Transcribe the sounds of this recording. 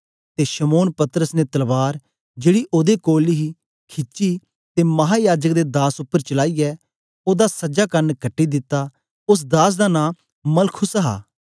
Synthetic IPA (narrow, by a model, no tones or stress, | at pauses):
t̪eʃəmoːnpɐt̪əɾəsnet̪ɐlʋaːɾ | d͡ʒeːɽiʔoːd̪ekoːliɦi | kʰɪt͡ʃi | t̪eːmɐɦaːjaːd͡ʒək̚d̪eːd̪aːsʊpːəɾt͡ʃəlaːijɛː | oːd̪asɐd͡ʒaːkɐnkɐʈːid̪ɪt̪ːaː | ʊs̬d̪aːs̬d̪aːnãː | mɐlkʰʊsɦa̰ː